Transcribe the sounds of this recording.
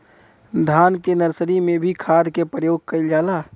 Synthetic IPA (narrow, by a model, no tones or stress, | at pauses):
d̪ʱaːnkenəɾsəɾimẽbʱikʰaːd̪kepɾəjoːɡ̚kəɪld͡ʒaːlaː